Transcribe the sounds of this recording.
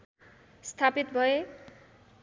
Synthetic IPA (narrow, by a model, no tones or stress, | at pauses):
st̪ʰapit̪bʱʌe